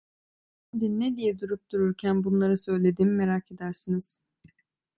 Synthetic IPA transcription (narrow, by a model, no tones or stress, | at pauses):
h | ɛnd̪innːed̪ijɛd̪uɾup̚d̪uɾuɾcʰænbunlˠaɾɯsø̞jlʲe̞d̪imme̞ɾakʰe̞d̪æɾsiniz̥